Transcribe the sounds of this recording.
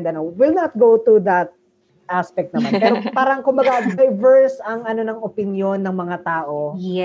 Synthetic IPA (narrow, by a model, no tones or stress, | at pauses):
d̪ɐnowɪlnɐt̪̚ɡowt̪ud̪ɐt̪̚ | ʔaspɛk̚t̪nɐmanpɛːɾopaːɾɐŋkʊmbɐɡad̪ɐjvɛɹsɐŋʔɐno̞nɐŋʔopɪnjo̞nːɐŋmɐŋat̪aːʔo